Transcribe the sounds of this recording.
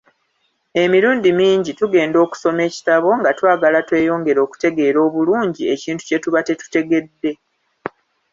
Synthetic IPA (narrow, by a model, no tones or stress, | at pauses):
e̞miɾuːndimiːɲɟituɡe̞ːndo̞ːku̥so̞me̞ːci̥taβo̞ŋɡatwaːɡalatwe̞ːjo̞ːŋɡe̞ɾo̞ːku̥te̞ɡe̞ːɾo̞ːβuluːɲɟie̞ciːntu̥ce̞tuβate̞tu̥te̞ɡe̞dːe̞